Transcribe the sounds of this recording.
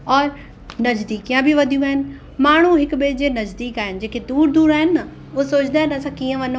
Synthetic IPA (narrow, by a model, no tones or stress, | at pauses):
ɔːɾ | nɐd͡ʒd̪iːkijãbʱiʋɐd̪ʱijũaːɦɪnɪ̆ | maːɳ̤ũɦɪkɓeːd͡ʑenɐzd̪iːkaːɦɪnɪ̆d͡ʑeːked̪uːɾd̪uːɾaːɦɪnɪnɐ | ʊɦesoːd͡ʑɪd̪aːɦɪ̃nɐsãkiːə̃ʋɐno